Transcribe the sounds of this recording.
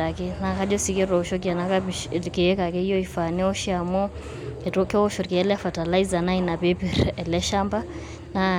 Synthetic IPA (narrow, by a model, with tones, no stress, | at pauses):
a˨kɛ˦na˨ka˦d͡ʒɔ˦si˨ke˦ɾɔ˨ʃɔ˦k̬a˨na˨kake˨e˦ka˨kɛ˦i˦jɔ˦i˨fa˨ni˦ɔ˦ʃia˨mɔ˦˨ | to˦ke˦ɔ˦ʃɔ˨kɛ˨ɛ˦lɛ˦fa˨ta˨la˦iza˨na˦i˦na˨pe˦pi˨ɾɛ˨lɛ˦ʃa˦mba˦ | na